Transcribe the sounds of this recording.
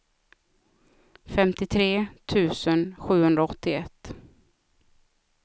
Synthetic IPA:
fɛmt̪ɪt̪ʰɾeːt̪ʰʉ̟ːsənɧʉ̟ːhɵnd̪ɾaɔt̪ːɪɛt̪ː

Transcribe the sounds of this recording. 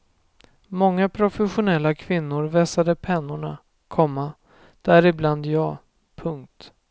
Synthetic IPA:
mɔŋːapʰɾʊfɛɧʊnɛlːakʰvɪnːʊɾvɛsad̪əpʰɛnːʊɳa | kʰɔmːa | d̪̥æɾɪbland̪jɑː | pʰɵŋk̚t̪

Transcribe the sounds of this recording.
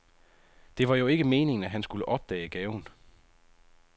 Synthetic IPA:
d̥e̝ʋɑ̈jo̝e̝ɡ̥əme̝ːne̝ŋn̩æɦænsɡ̥uləʔɒ̽b̥̚d̥ɛ̰ːɡ̥ɛːʊn

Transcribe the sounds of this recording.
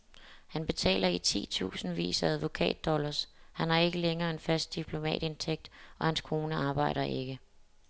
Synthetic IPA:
hænb̥e̝t͡sʰɛ̰ːlɐit͡sʰḭːt͡sʰṵːsn̩ʋḭːsæðˠʋo̝kʰɛ̰ːd̥ːɒ̽lɐshænhɑ̈e̝ɡ̥əleŋɐːe̝nfæsd̥̚d̥ipʰlo̝mɛ̰ːd̥e̝nt͡sʰeɡ̥̚d̥ɒ̽hænskʰo̝ːnəɑ̈ːb̥ɑ̈ɪ̰ɾ̥ɐʔe̝ɡ̥ə

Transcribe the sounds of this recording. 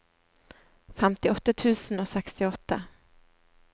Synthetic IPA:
fɛmt̪ɪɔt̪ːat̪ʰʉ̟ːsənɔːsɛkst̪ɪɔt̪ːa

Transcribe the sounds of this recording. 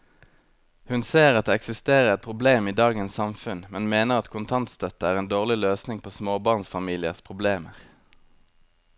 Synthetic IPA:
hʉnseːʁɑt̪̚d̪eːɛksɪst̪eːʁəʁɛt̪̚pʰʁʊbleːmiːd̪ɑːɡənssɑmfʉnmɛnmeːnəʁɑt̪kʰʊnt̪ʰɑnt̪st̪œt̪əæːʁeːnd̪oːʁlɪløːsnɪŋpʰoːsmoːbɑːʁnsfɑmiːlɪə̰ʁspʰʁʊbleːməʁ

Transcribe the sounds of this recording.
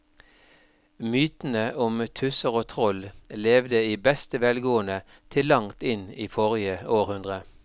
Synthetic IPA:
myːt̪n̩əʔʊmt̪ʰʉsəʁoːt̪ʰʁɔlleːʋd̪əiːbɛst̪əʋɛːlɡoːənə | t̪ʰɪlːɑŋt̪ɪniːfɔʁɪəoːʁhʉnd̪ʁə

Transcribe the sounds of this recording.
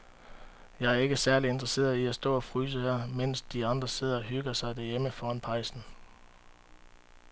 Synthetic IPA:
jɑ̈ɪæɐe̝ɡ̥əsæɐlie̝nd̥ʁɐse̝̰ːɐiæsd̥ɔ̰̽ːɒ̽fʁyːs̬əhæɐmen̰sd̥iɑ̈nd̥ʁɐse̝ð̞̰ˠɐɒɦyɡ̥ɐsɑ̈ɪd̥æɐjeməfɒːɑnpʰɑ̈ɪsn̩

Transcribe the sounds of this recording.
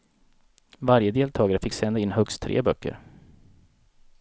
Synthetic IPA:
vaɾjəd̪eːlt̪ʰɑːɡaɾəfɪkːsɛnd̪aɪnːhœkst̪ʰːɾḛːbœkʰːə̰ɾ

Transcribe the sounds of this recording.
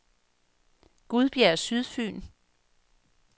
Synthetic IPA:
ɡ̥uð̞ˠb̥jæɐsyðˠfy̰ːn

